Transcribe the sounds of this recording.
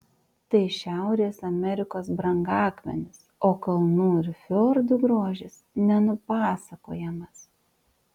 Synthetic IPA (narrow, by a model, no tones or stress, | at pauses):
t̪ɐɪʃʲæˑʊɾʲeːsɐmʲɛɾʲɪkoːsbɾɐŋɡɑːkmʲɛ̰nʲɪsoːkɐlˠnuːɪɾfʲoːɾd̪ʊɡɾoːʒʲɪs | nʲɛnʊpɑːsɐko̰ːjɛmɐs